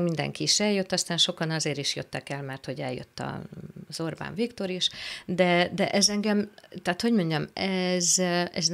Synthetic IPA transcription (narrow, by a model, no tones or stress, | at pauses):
mind̪ɛ̰ŋkiːʃɛljøt̪ːɒst̪aːnʃo̞kɒnɒzeːɾiʃjøt̪ːɛkɛlmɛrt̪ho̞ɟɛljø̰t̪ːɒ̰z̥o̞rba̰ːɱvikt̪o̞ɾiʃd̪ɛd̪ɛʔɛzɛŋɡɛmt̪ɛːt̪ho̞ɟmo̞ɲɟɒmɛzɛ̰z